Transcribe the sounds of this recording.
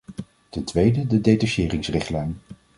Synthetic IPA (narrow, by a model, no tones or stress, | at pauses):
tɛntʋejdədədejtaʃɪːrɪŋsrɪχtlɛjn